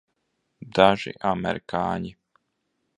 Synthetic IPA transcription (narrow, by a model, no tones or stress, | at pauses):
d̪aʒḭʔamɛ̰ɾikaːɲi